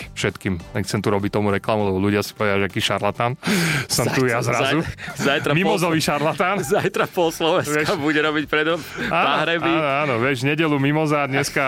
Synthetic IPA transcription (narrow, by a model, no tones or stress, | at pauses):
fʃɛt̪kiːmɛxt͡sɛnt̪uɾɔbict̪ɔmuɾɛklamulɛbɔluɟɪasi̥pɔʋɛd̪aʒɛakiːʃaɾlat̪ansɔmt̪ujazɾazuzajt̪ɾamimɔzɔʋiʃaɾlat̪anzajt̪ɾapɔslɔʋɛnʋɛʃabuɟɛɾɔbicpɾɛd̪ɔmaːaɦɾɛbiːnɔaːnɔʋjɛʒɲɛɟɛlumimɔzaːd̪ɲɛska